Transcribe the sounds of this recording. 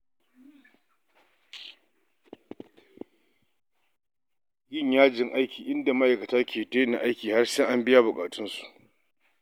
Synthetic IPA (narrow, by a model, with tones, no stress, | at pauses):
jɪ˦ɲjaː˦d͡ʒɪ˨ŋʔa˦jkʲiː˨ʔɪ˦nda˨ma˦ʔa˨jkɐ˨taː˦kʲʰeː˨te˦na˨ʔa˦jkʲiː˨ha˦rsɛ˦ŋʔa˦mbɪ˦ja˦bʊ˨kʼaː˨tʊ˦nsu̥˨ʔ